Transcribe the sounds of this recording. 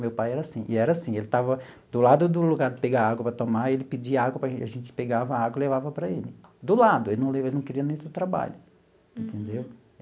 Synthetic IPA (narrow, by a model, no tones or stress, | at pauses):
mewpajɛɾɐasĩʔɪɛɾɐasĩelɪt̪avɐ | d̪ʊlad̪ʊd̪ʊluɡaɾd̪ɪpeɡaɾaɡwɐpɾɐt̪omaelɪpɪd͡ʒiɐaɡwɐpɾɐʒẽaʒẽt͡ʃɪ̥peɡavɐaɡwɐɪlevavɐpɾɐelɪd̪ʊlad̪ʊelɪnɐ̃w̃levelɪnɐ̃w̃kɪɾiɐnẽj̃t̪od̪ʊt̪ɾaba̰ʎʊ | ĩnt̪ẽnd̪ew